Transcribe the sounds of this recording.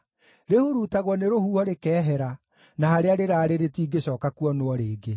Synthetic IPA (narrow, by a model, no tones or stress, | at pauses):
ɾehoɾutaɣwɔneɾohuɔɾekɛːɦɛɾa | nahaɾeaɾeɾaːɾeɾetiːɡeɕɔːkakuɔnoɔɾeːɡe